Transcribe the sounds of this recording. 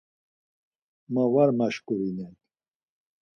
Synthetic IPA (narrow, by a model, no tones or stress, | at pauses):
mavaɾmaʃkʼuɾinɛk